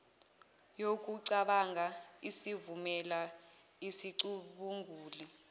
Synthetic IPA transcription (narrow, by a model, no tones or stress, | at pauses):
jok̬ʼuǀaɓaŋʱaisivumɛla | isiǀuɓuŋɡʱuːli